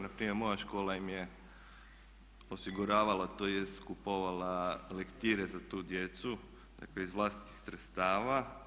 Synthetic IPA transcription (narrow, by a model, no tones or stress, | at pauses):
napɾiːmjeɾmo̞jaʃko̞ːlaimje | o̞siɡuɾaːʋalat̪oːjeskupo̞ʋalˠalekt̪iɾe̞zat̪uːd̪je̞t̪su | d̪̥a̰kleizʋlˠast̪i̥t̪ixsɾet̪st̪aːʋa